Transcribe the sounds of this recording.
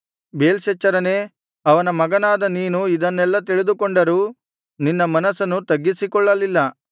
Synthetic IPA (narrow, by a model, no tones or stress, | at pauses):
beːlʃɐt͡ʃːɐɾɐneː | ɐʋɐnɐmɐɡɐnaːd̪ɐniːnuid̪ɐnːɛlːɐt̪iɭid̪ukɔɳɖɐɾuː | ninːɐmɐnɐsɐnːut̪ɐɡːisikɔɭːɐlilːɐ